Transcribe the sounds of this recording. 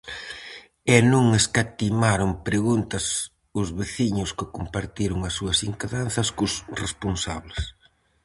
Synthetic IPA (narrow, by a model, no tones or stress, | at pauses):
ɛnũŋeskat̪imaɾʊmpɾeɣunt̪ɐs | ʊzβeθiɲʊskɪkompaɾt̪iɾʊŋɐsːuɐsiŋkaðanθɐskʊsresponsaβlɪs